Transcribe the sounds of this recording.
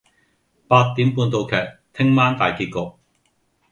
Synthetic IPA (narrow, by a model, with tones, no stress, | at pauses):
paː˧t̚t̪iː˨˥mpuː˧nt̪o˨˧wkʰɛː˨˩k̚t̪ʰɪ˥ŋmaː˥nt̪aː˨jkiː˧t̚kɔː˧k̚